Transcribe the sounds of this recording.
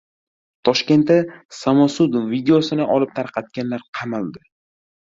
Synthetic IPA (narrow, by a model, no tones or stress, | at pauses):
t̪ʰɒʃkʲe̞nt̪ːasamɒsud̪ʊnvid̪eosɪnɪʔɒlɪp̚t̪ʰaɾqʰɑt̪̚ɡʲanlaɾqʰɑmalˠd̪ɪ